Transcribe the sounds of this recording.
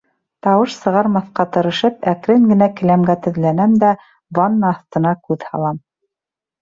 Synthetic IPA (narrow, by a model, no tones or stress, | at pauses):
t̪ɑwɤʃsɤ̆ʁɑɾmɑθqɑt̪ɤ̆ɾɤ̆ʃɤpækɾɘŋɡɘ̆nækɘ̆læmɡæt̪ɵ̆ðlænæmd̪æ | bɑnːɑɑθt̪ɤ̆nɑkʉðhɑ̰lˠɑm